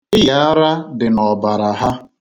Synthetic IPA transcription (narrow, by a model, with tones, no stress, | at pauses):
ɪ˦ja˨a˦ɾa˦dɪ˨nɔ˨ba˨ɾa˨ɦa˦